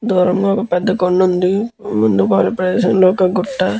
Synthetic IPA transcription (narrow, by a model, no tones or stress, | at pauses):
d̪uːɾɐmɡaɔkɐpɛd̪ːɐkoɳːund̪imund̪ukaːlːupɾɐd̪ɛːʃɐmloːɔkɐɡuʈːa